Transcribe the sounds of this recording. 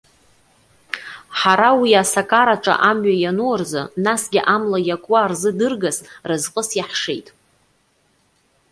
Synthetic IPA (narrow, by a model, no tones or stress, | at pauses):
ħaɾawiasakʼaɾaʈ͡ʂʼa̰ʔamɥajanuarzɨ̰nasɡʲɪʔamlajakʼwaːrzɨdɨrɡasrɨzqʼəsjaħʂḛjtʼ